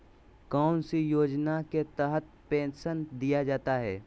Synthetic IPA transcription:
kaːnsejoːd͡ʒnaket̪ɛɦət̪̚pẽːnsənd̪ijad͡ʒaːt̪aɦɛː

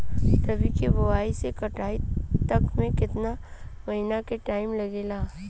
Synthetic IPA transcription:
t̪ɐbʱikibɐʋaːisekɐʈaːit̪ɐkmẽkɪt̪namɐɦɪnakeʈaːɪmlɐɡeːlaː

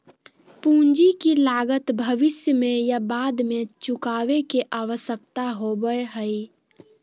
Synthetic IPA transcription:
pũːnd͡ʒikilaːɡət̪bʱəʋɪsjəmẽjabaːd̪mẽt͡ʃʊkaːʋekeʔaːʋəsjək̚t̪aɦobəeɦəi

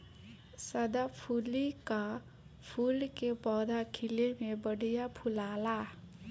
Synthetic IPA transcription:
səd̪apʰulika | pʰulkepɔd̪ʱakʰilemebəɽijapʰulala

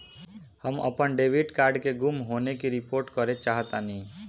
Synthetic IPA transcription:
həmə̰pənɖeʋiɖkaɾɖkeɡumɦonekiɾipoɾʈkɔɾet͡ʃaɦət̪ani

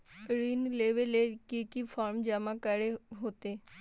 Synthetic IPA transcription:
ɾiːnleːʋeleːkikifʰaːɾmd͡ʒəmakəɾeɦoːt̪eː

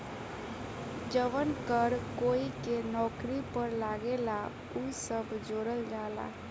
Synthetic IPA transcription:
d͡ʒəʋənkəɾkoːikenɔːkɾipəɾlaːɡela | usəbʱd͡ʒoːɾəld͡ʒaːla̰ː

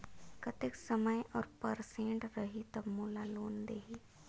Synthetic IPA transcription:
kɐt̪ɪksɐməjʔɔːɾpɐɾsẽːɳʈɾɐɦit̪ɐbmuːlaloːnd̪eːɦiː

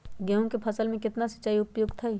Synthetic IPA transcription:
ɡɛɦõkepʰɐsəlmẽkɪt̪nasɐ̥t͡ʃːaːiʊpjoːɡt̪ʰai

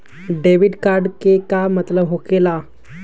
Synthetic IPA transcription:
ɖeʋiɖkaɾɖkekamət̪ləbɦokela

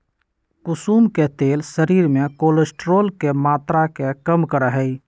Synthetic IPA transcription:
kʊsuːmket̪eːlsəɾiːɾmekolesʈɾoːlkemat̪ɾakekəmkəɾəɦəj

